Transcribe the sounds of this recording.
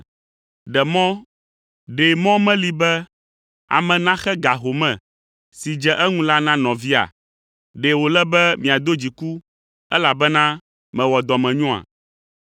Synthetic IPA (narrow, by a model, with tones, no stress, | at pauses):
ɖɛ˨mɔ̃˦ | ɖe˨mɔ̃˦mɛ̃˦li˦bɛ˦ | a̰˨mɛ̃˨nã˦xɛ˦ɡa˨ɦo˨mɛ̃˨ | si˨d͡ʒɛ˦ʔɛ˦ŋũ˦la˦nã˦nɔ̃˨vi˦a̰˨ | ɖe˨wo˨lɛ˦bɛ˦mĩ˨a˨d̪o˦d͡ʑi˨ku˦ | ɛ˦la˨bɛ˦nã˦ | mɛ̃˨wɔ˨d̪ɔ˨mɛ̃˨ɲɔ̃˦a̰˨